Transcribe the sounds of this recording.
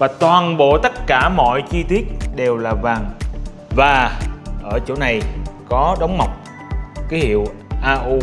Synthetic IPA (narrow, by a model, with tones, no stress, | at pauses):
vaː˨˩t̪waː˨˩nɓo̰˧˨t̪ə˦˥t̚kaː˧˩mɔ̰˧˨jt͡ɕi˧t̪wi˦˥ət̚ɗe˨˩wlaː˨˩vaː˨˩ŋ | vaː˨˩ʔəː˧˩t͡ɕo̰˧˩na˨˩jkɔ˨˦ɗə˨˦wŋ͡mma˨˩wk͡p̚ | kaː˨˦hḭ˧˨əw | ʔaː˧ʔu˧